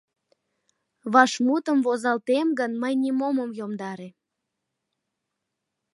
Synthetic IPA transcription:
βɑʃmut̪əmvozɑlt̪emɡənməjnimoməmjomd̪ɑɾe

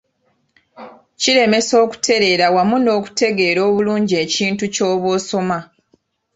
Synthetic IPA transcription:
ciɾe̞me̞so̞ːku̥te̞ɾe̞ːɾawamuno̞ːku̥te̞ɡe̞ːɾo̞ːβuluːɲɟie̞ːciːntuco̞ːβoːso̞ma

